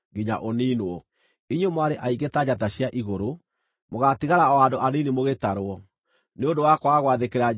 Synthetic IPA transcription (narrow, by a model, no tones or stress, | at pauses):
ɡiɲa̰ʔoniːnɔ | iɲomwaɾeʔaiɡetad͡ʑataɕjaʔiɣoɾo | moɣatiɣaɾaɔandoʔaninimoɣetaɾwɔ | neondowakwaɣwaðekeɾa